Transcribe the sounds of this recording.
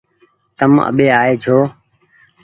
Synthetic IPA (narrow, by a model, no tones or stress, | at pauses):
t̪əmə̰ɓeːaːeːd͡ʒʰʱoː